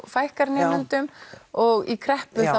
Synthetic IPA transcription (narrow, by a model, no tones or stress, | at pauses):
fajhkaɾnɛːmant̪ʏmɔɣikʰɾɛhpʏθa